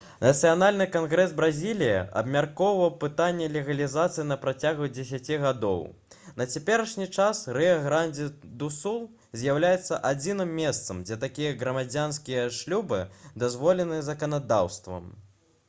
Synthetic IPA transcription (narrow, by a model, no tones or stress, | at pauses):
nɐt̪sɨjanalʲnɨkanɣɾɛzbɾazʲilʲijɐ̰ʔɐ̰bmʲarkɔwvɐwpɨt̪anʲːɛlʲɛɣɐlʲizat̪sɨjinɐpɾat͡sʲaɣud͡zʲɛsʲat͡sʲiɣad̪ɔ̰w | nɐt͡sʲapʲɛɾɐʂnʲit͡ʂasrɛɐɣɾanʲd͡zʲid̪usulˠ | zʲjawlʲajɛt̪sːɐ̰ʔad͡zʲinɨmːʲɛst̪sɐmd͡zʲɛt̪akʲijɐɣɾɐmad͡zʲanskʲijɐʂlʲubɨd̪azvɔlʲɛnɨɐzɐkɐnad̪a̰wst̪vɐ̰m